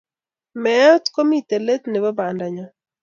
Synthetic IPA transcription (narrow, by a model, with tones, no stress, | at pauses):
mɛ˨˦t̪ko˦mi˦˨t̪e˨le˦t̪nɛ˨βa˦ba˨nda˨ɲa˨